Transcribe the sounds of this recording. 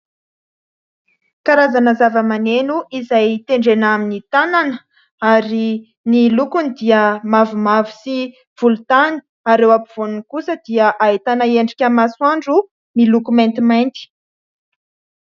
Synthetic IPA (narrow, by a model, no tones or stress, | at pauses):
kaɾazanəzavəmanenuizajt̪eɳɖ͡ʐenaminit̪ananə | aɾi | nilukunid̪iəmavumavi̥si | v̥ulut̪ani̥ | aɾewapuv̥onunkusəd̪iəʔaet̪anəeɳɖ͡ʐikʲamaswaɳɖ͡ʐu | milukument̪imajnt̪i̥